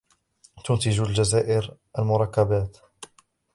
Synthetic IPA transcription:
t̪ʊnt̪ɪd͡ʒald͡ʒazaːʔɪɾʔalmʊɾˤɑkːabaːt̪

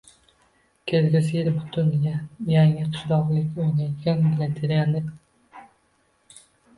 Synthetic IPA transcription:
kʲʰezɡʲɪsɪɪɾbʊt̪ʰʊnjaŋɪqʰɨ̥ʃɾɒʁlˠɪkʲːojnajt̪ɡʲanbɪlant̪ʰeɾanɪ

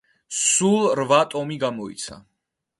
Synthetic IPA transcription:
sulˠɾvat̪ʼɔmiɡamɔḭt̪sʰa̰

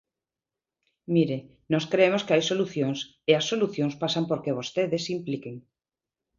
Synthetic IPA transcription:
miɾe | nɔskɾeemoskeajsoluθjoŋs | easːoluθjõŋspasampoɾkeβost̪eðesimplikeŋ

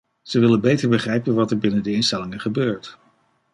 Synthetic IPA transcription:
z̥əʋɪlənbejtəɹbəχrɛjpənʋɑtɛɹbɪnəndəɪnstɛlɪŋəχəbøːɹt

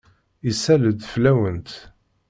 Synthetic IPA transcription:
isæləd̪flæwənt̪

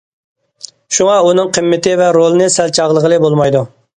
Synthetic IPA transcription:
ʃuŋɑunɨŋqʰəmːɪt̪ɪvɛɾolˠɨnɨsɛlt͡ʃʰɑʁlˠəʁəlˠɨbolˠmɑjd̪u

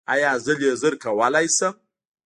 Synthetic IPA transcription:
a̰jazɨlezɨɾkʰawalajsɐ

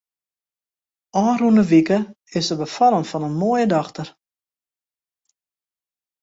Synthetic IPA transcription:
ʔɔːrundəʋikə | ɪsəbəfɑlˠənfɔnənmoːjədɑxtər

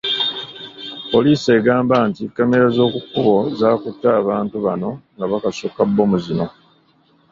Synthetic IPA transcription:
po̞liːseːɡaːmbantikːameɾazo̞ːkukːuβo̞zaːkutːaːβaːntuβano̞ŋɡaβakasukabːo̞muzino̞

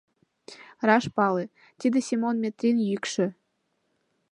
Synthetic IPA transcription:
rɑʃpɑle | t̪id̪esʲimonmʲet̪rʲinjykʃɘ̆

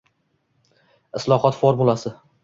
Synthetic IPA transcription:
ɪslˠɒχɒt̪foɾmulˠasɪ

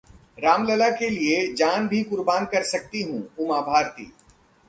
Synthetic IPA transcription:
ɾaːmləlakelied͡ʒaːnbʱikʊɾbaːnkɐɾsɐk̚t̪iɦũːʊmaːbʱaːɾt̪ḭː

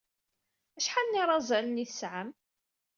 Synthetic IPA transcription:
æʃħanniɾˤɑzˤælənːiθəsʕəm

